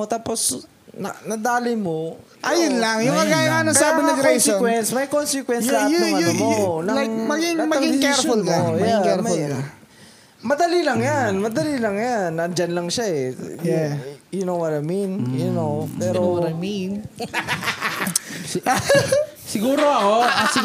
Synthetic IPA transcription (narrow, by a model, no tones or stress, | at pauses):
ot̪aːpos | nɐ̰nɐd̪aːlɪjmo | ʔɐjʊnlɐŋjʊŋkɐɡaːjɐŋanokɐaɪnɐɡɾesɪwɛnsmɐjkonsɪkwɛnslajɐnomonɐlajŋmɐɡiŋamɐɐŋɡɪd̪ɪskɛɹfʊlkajɐɡakɛɹmɐjkɐ | mɐd̪ɐlilɐŋjanmɐd̪ɐlilɐŋjanːɐd͡ʒanlɐŋʃaɛjjʊnowwɔɾajminjʊnopɛɾowamin | sɪɡuːɾoɐkosɪ